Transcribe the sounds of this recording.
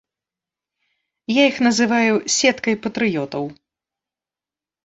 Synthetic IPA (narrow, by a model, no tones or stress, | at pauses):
jaixnɐzɨvajusʲɛt̪kɐjpɐt̪ɾɨjɔt̪ɐw